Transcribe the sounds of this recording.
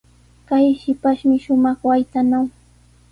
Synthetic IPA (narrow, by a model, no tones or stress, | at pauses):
kajʃɪpaʃmɪʃʊmɑχwajt̪anaw